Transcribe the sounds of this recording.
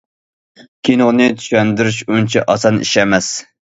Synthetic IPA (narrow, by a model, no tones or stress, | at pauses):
kʲʰinoʁnɨt̪ʰy̥ʃɛnd̪yɾyʃunt͡ʃʰɛʔɑsɑnḭʃɛmɛs